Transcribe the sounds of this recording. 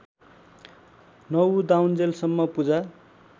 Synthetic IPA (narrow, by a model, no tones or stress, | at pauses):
nʌwd̪awnd͡zelsʌmːʌpud͡za